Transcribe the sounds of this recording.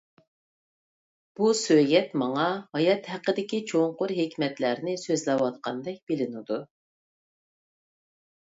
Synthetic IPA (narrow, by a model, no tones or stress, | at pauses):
b̥usøɡʲɛt̪mɑŋɑhɑjɑt̪hæqːəd̪ɪkʲit͡ʃʰoŋqʊɾɦekʲmɛt̪læɾnɪsøzlɛwɑt̪qɑnd̪ɛk̚ʲb̥ɪlɪnɪd̪u